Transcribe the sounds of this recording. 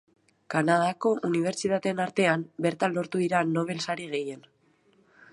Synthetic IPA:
kanað̞ako̞ʔuniβ̞e̞ɾt͡sit̪at̪enaɾt̪e̞ambe̞ɾt̪anlːo̞ɾt̪uðiɾano̞β̞e̞lsaɾiɣ̞e̞je̞n

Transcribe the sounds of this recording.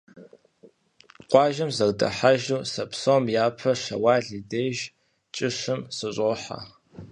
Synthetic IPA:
qʷɑːʒɐmzɐrdʼɐ̰ħaʒuːsɐpʰsomjaːpʰɐʂɐwaːɮideːʒ | t͡ʃʼɪʂɨmsɨɕʼoːħa̰

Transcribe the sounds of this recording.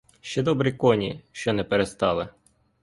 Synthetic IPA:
ʃt͡ʃɛd̪ɔbɾikɔnʲiʃt͡ʃɔnɛpeɾest̪ɑlˠɪ

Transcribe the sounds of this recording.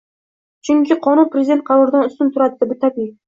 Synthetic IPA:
t͡ʃʰʊŋkʲɪqʰɒnʊnpɾʲezʲd̪e̞nt̪̚qʰɑɾɒɾd̪anʊst̪ʊnt̪ʰʊɾad̪ɪd̪ɪbɪt̪ʰapɪ

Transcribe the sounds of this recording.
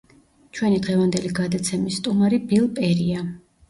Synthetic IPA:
t͡ʃʰwɛnid̪ʁɛvand̪ɛliɡad̪at̪sʰɛmisːt̪ʼumaɾibilˠpʼɛɾia

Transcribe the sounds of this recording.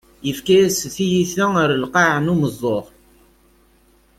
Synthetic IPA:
jəfkæjæsθijiθæəɾəlqɑʕnuməzˤːoʁ

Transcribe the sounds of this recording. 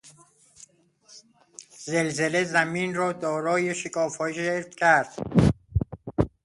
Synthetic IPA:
zelzele̞zæmiːnrɒːd̪ɒːɾɒːjeʃekʰɒːfɒːʃeɾt̪cʰæɾd̪̥

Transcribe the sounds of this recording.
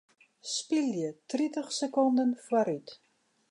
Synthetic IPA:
spiljətritəχsəkɔndənfwaɾyt

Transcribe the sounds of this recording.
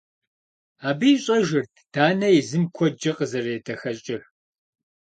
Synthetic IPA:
aːbɨjɕʼɐʒɪrtʰd̥aːnɐjizɨmkʷʰɔd͡ʒɐqʼəzɐreːdʰɐxɐɕʼɪħ

